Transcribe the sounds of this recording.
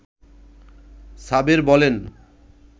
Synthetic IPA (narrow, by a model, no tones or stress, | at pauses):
sabeɾbɔlen